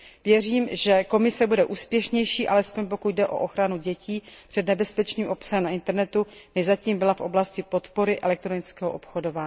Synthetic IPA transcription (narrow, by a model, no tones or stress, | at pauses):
vjɛriːmʒɛko̞mɪsɛbudɛʔuːspjɛʃɲɛjʃiːʔalɛspo̞ɲp̬o̞kuɟdɛʔo̞̰ʔoxɾanuɟɛciːpr̝̥ɛdnɛbɛspɛt͡ʃniːmʔo̞psaɛmnaɪnt̪ɛɾnɛt̪umɪʒzaciːmbɪlafʔo̞̰blascɪpo̞t̪po̞ɾɪʔɛ̰lɛk̚t̪ɾonɪt͡skɛːɦoʔopxodo̞vaː